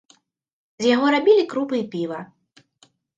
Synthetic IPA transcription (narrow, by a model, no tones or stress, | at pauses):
zʲjaɣɔɾabʲilʲikɾupɨjpʲivɐ